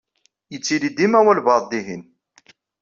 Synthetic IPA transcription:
jət͡sːilid̪imæwælbɑðˤd̪iɦin

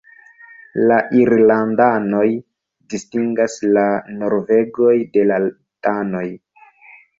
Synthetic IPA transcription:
laʔiɾlandano̞j | distiŋɡaslano̞ɾve̞ɡo̞jdela | tano̞j

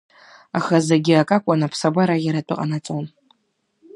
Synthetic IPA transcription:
aχazaɡʲiakʼakʷʼanapʰsabaɾajʲaɾatʷʼʊqʼanat͡sʼon

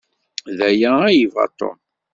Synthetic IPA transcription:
ðæjææjivɑ̰t̪ˤːo̰m

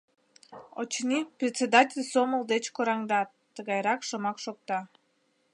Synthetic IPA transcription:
o̰t͡ɕnʲiprʲɪt̪ʲsʲed̪atʲɪlʲsomɤlˠd̪et͡ɕkoɾɑŋd̪a | t̪ɨɡɑjɾɑkʃomɑkʃok̚t̪ɑ

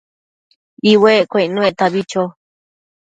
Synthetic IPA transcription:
iweʔkʷẽinũeʔt̪aβit͡ʃo

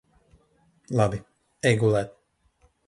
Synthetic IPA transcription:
lˠabi | ɛɡulˠæːt̪

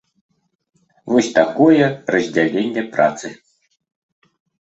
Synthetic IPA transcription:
vɔsʲt̪akɔjɛrɐzʲd͡zʲalʲenʲːɛpɾa̰t̪sɨ

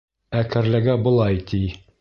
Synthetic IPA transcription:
ækæɾlæɡæbɤ̆lˠɑjt̪ʰi

